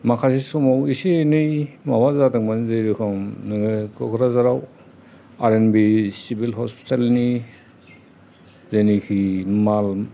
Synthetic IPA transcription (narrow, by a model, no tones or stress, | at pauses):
makʰasisɔmawisienɯjmawazataŋmanzejɾikʰɔŋnɯɡɯkɔkʰɾazaɾaw | aɾenbisibilɦɔspi̥talni | zenikʰimal